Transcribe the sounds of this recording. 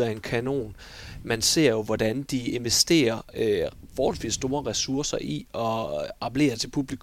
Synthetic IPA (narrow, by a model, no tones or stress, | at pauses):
æe̝nkʰæno̝̰ːn | mænse̝̰ɐ̰jo̝ʋɒd̥ænd̥ie̝nʋesd̥e̝̰ːɐø | fɒːhɒ̽lsʋḭsːd̥o̝ːɐʁɛsuɐsɐʔiɒ̽ɑ̈bʰle̝̰ːɐt͡sʰe̝lpʰub̥likʰ